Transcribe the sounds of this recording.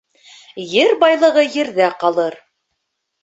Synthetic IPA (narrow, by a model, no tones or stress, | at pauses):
jɘɾbɑjlˠɤ̆ʁɤjɘ̆ɾðæqɑlˠɤɾ